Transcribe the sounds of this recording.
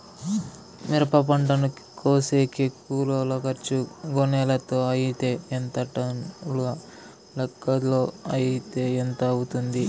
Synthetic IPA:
miɾɐpɐpɐɳʈɐnu | koːseːkikuːloːlokɐɾt͡ʃuɡonɛːlɐt̪oːɐjit̪e̞ːent̪ɐʈɐnuluɡɐ | lɐkːɐd̪loːɐjit̪eːent̪ɐɐwut̪und̪i

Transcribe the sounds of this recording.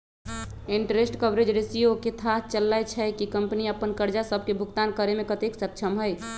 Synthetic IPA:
iɳʈɾesʈkəbɾed͡ʒɾesijoket̪ʰat̪t͡ʃəlːajt͡ʃʰɛkikəmpniəpːənkəɾd͡ʒasəb̚ʱkebʱukt̪ankəɾemekət̪eksək̚t͡ʃʰəmɦəj

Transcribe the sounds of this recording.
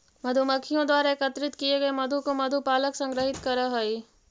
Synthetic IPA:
mɐd̪ʱumɐkʰːijõd̪waːɾaekɐt̪ɾɪt̪kieɡɐemɐd̪ʱukomɐd̪ʱupaːləksɐ̃ŋɡɾəɦɪt̪kɐɾaɦoiː

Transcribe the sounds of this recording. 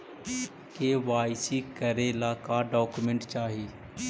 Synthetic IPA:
keːʋaːɪsikəɾeːlaːkaɖɔːkumẽɳʈt͡ʃaːɦiiː

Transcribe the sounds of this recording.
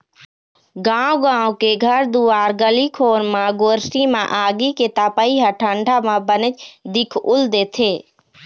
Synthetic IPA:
ɡãːoɡãːokeɡʱəɾd̪uaːɾɡəlikʰoːɾmãɡoːɾsimã̰ʔaːɡiket̪apəiɦəʈʰəɳɖʱamãbənət͡ʃd̪ɪkʰʊld̪eːt̪ʰeː

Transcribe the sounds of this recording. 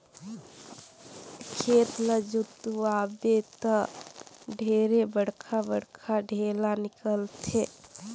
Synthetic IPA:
kʰeːt̪ləd͡ʒʊt̪ːuaːbet̪ə | ɖʱeːɾebəɽ̤kʰabəɽkʰaɖʱeːlanɪkəlt̪ʰe

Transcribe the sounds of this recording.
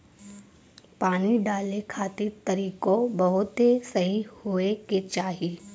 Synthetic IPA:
paːniɖaːlekʰaːt̪it̪ɐɾiːkobɐɦʊt̪ɦesɐɦihoeket͡ʃaːɦiː

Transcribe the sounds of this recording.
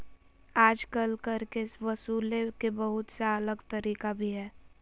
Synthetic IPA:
aːd͡ʒkəlkɐɾkeɪsʋɐsuːlekebɐɦʊt̪saɐləɡt̪əɾiːkabʱiɦɛː

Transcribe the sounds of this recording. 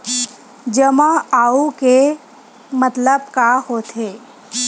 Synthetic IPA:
d͡ʒəmaaːuke | mət̪ləb̚kahoːt̪ʰeː

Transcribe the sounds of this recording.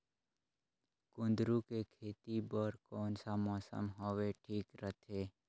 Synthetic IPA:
kʊ̃nd̪ɾukekʰeːt̪ibəɾkɔːnsamɔːsə̰mɦoːʋeʈʰiːkɾət̪ʰeː

